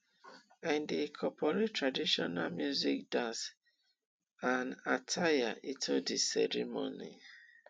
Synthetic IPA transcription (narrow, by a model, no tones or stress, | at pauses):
ãndekʰɔpʰɔɹettɹadiʃɔnamjuzik̚dãns | anatʰajaʔitʰodisɛɾimo̰nḭ